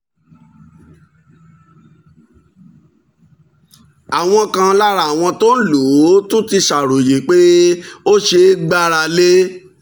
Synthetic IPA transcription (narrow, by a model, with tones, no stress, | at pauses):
a˨w̃ɔ̃˧kã˧la˦ɾa˨a˨w̃ɔ̃˧to˦lo˨˦tũ˦ti˧ʃa˨ɾo˨je˨k͡pe˦o˦ʃe˧ɡ͡ba˦ɾa˧le˦